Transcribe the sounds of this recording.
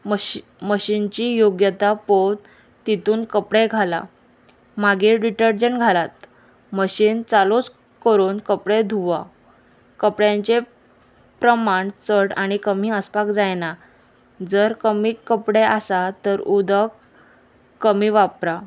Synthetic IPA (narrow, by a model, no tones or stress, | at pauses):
məɕint͡ɕiːjoɡjət̪apod̪ | t̪ːit̪uːnkəpɽeɡʱala̰ | maɡiɖiʈəɾd͡ʑəɳɡʱalat̪ | məɕiːnt͡salot͡s | kəɾuːnkəpɽed̪ʱuʋa | kəpɽjãɲt͡ɕe | pɾəmaɳt͡səɽaɽ̃ikəmiːəspakd͡zajna | d͡zəɾkəmiːkːəpɽeʔasat̪əɾud̪ʱəkː | əmiːʋapɾa